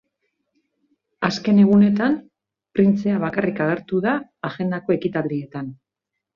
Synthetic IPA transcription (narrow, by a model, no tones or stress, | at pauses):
aske̞ne̞ɣ̞une̞t̪am | pɾint͡se̞aβ̞akarikaɣ̞e̞ɾt̪uðaːʝe̞nd̪ako̞e̞kit̪ald̪ie̞t̪an